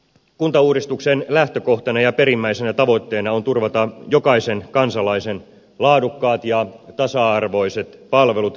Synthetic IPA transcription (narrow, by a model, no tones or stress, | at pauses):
kunt̪ɑuːɾist̪uksenlæht̪øko̞ht̪ɑnɑjɑpeɾimːæisenæt̪ɑʋo̞t̪ːe̞ːnɑo̞nt̪urʋɑt̪ɑjokɑisenkɑnsɑlɑisen | lɑːdukːɑːt̪jɑt̪ɑsɑɑrʋo̞ise̞t̪pɑlʋe̞lut̪